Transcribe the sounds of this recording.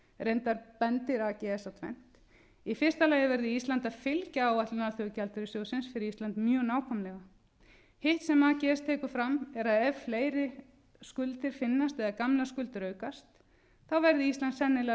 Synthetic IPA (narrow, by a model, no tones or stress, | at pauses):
rejnt̪aɾpɛnt̪ɪɾaːcɛɛsawt̪ʰvɛ̰n̥t̪ | ifɪr̥st̪alaːjɪvɛɾðɪist̪lant̪aðfɪlcaːwat̪lʏnalθœɣʏcalt̪ʏɾɪsjoːwsɪnsfɪɾɪist̪lant̪mjœːɣnaːwkʰɔmlɛɣa | hɪht̪sɛmaːcɪɛst̪ʰɛːkʏ̥fɾamɛɾaðɛvfleːjɾɪ | skʏlt̪ɪɾ̥fɪnːast̪ɛðakamlaskʏlt̪ɪɾœːɥkast̪ | θawvɛɾðɪist̪lant̪sɛnːɪlɛ